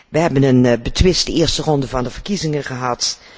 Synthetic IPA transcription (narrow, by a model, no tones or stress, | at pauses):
ʋəɦɛbənənbətʰʋɪstəɪːɹstərɔndəvɑndəvərkizɪŋənχəɦɑt